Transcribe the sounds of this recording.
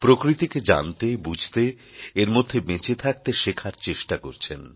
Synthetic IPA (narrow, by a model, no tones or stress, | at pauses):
pɾokɾit̪iked͡ʑa̰nt̪ebud͡ʑʱt̪e | eɾmod̪ʱːemet͡ɕet̪ʰak̚t̪eʃekʰaɾt͡ɕeʃʈakoɾt͡ɕʰen